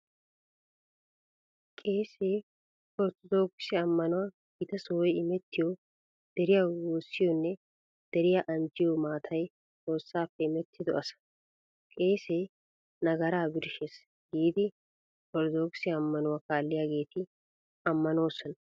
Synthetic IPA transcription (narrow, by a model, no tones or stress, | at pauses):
kʼe̞ːseː | kɔɾt̪ɔd̪oːksɪjɐmːɐnʊwaɡɪt̪ɐsoːɔjɪmɛt̪ːɪjɔ | d̪̥ɛɾɪjaːwoːsːɪjɔnːɛ | d̪̥ɛɾɪjaʔɐnd͡ʒɪjomaːt̪ʰɐj | t͡sʼo̞ːsːaːpːɛɪmɛt̪ʰːɪd̪ɔʔɐsɐ̥ | kʼe̞ːseː | nɐɡɐɾaːbɪɾɪʃes | ɡiːd̪ɪ | kɔɾd̪oːksɪjɐːmːɐnʊwakaːlːɪjaːɡe̞ːt̪ɪ | ɐmːɐno̞ːsːɔnɐ